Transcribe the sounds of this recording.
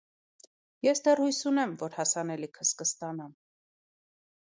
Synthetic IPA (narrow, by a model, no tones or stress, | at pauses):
jɛsd̪ɛrhujsunɛmvɔɾhɑsɑnɛlikʰəskəst̪ɑnɑm